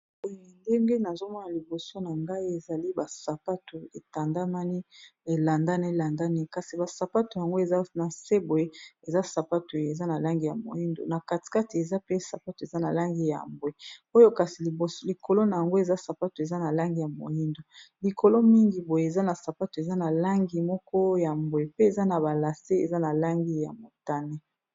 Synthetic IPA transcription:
bo˦jo˨nde˦ŋɡe˦na˨zo˦mɔ˦na˨li˨bo˨so˦na˨ŋɡa˦i˦e˨za˨li˦ba˨sa˨pa˦to˨e˨ta˨nda˦ma˦ni˦e˨la˨nda˦ne˦˨la˨nda˦ni˦ka˨si˨ba˨sa˨pa˦to˨ja˨ŋɡo˦e˨za˦na˨se˦bo˨je˦e˨za˦sa˨pa˦to˨e˨za˦na˨la˦ŋɡi˦˨ja̰˨mo̰˨i˦ndo̰˨na˨ka˨ti̥˨ka˦ti˨e˨za˦pe˦sa˨pa˦to˨e˨za˦na˨la˦ŋɡi˦ja̰˨mbo˦e˦o˦jo˦ka˨si˨li˨bo˨sli˨ko˨lo˦na˨ja˨ŋɡo˦e˨za˦sa˨pa˦to˨e˨za˦na˨la˦ŋɡi˦˨ja˨mo̰˨ji˦ndo˨li˨ko˨lo˦mi˦ŋɡi˨bo˨je˦e˨za˦na˨sa˨pa˦to˨e˨za˦na˨la˦ŋɡi˨mɔ˦kɔ˦ja˨mbo˨e˨pe˦e˨za˦na˨ba˨la˨se˦e˨za˦na˨la˦ŋɡi˦ja̰˨mo˨ta˦ne˦

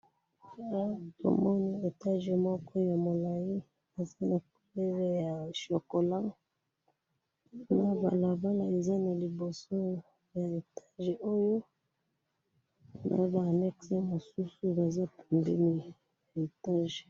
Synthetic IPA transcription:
a˦to̰˨mɔ˦ni˦e˨ta˦ʒe˨mɔ˦kʰɔ˦ja˨mo˨la˨ji˦ | a˨za˦na˨ku˨˦˨le˦za˦ja˨ʃo˨ko˨la˦ | na˨ba̰˨la˨ba˦la˦e˨za˦na˨li˨bo˨so˦ | ja˨e˨ta˦ʒe˨ʔo˦jo˦ | nʔa̰˨˦baː˨nɛ˦kse˦mo˨su˦su˦ba˨za˦pu˨mbɛ˦mi˦ | a˨e˨ta˦ʒ

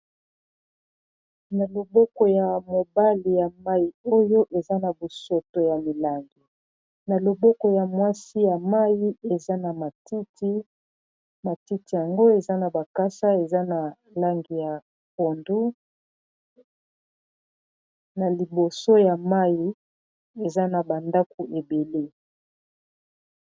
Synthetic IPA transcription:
na˨lo˨bɔ˦kɔ˨ja˨mo˨ba˦li˨ja˨ma˦ji˨o˦jo˦ʔe˨za˦na˨bo˨so˨to˨ja˨mi˨la˦ŋɡi˨ | na˨lo˨bɔ˦kɔ˨ja˨mwa˦si˦ja˨ma˦ji˦e˨za˦na˨ma˨ti˦ti˦ | ma˨ti˦ti˨ja˨ŋɡo˦e˨za˦na˨ba˨ka˦sa˦e˨za˦na˨ | la˦ŋɡi˨ja˨ | po˨ndu˦ | na˨li˨bo˨so˦ja˨ma˦ji˨ | e˨za˦na˨ba˨nda˦ku˨ʔe˨be˨le˦

